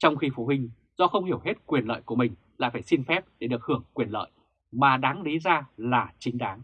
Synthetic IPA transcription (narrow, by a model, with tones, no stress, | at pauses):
t͡ɕɔ˧wŋ͡mxi˧fu˨˦ɦï˧ŋ̟ | z̥ɔ̰˧xə˧wŋ͡mhi˧˩əwɦe˦˥t̚kwi˨˩ənlə̰ː˧˨jku˧˩əmï˨˩ŋ̟la̰ː˧˨jfaː˧˩jsi˧nfɛ˦˥p̚ɗe˧˩ɗɨ˨˩ək̚hɨ˧˩əŋkwi˨˩nlə̰ː˧˨j | maː˨˩ɗaː˨˦ŋɗi˨˦zaː˧laː˨˩t͡ɕï˨˦ŋ̟ɗaː˨˦ŋ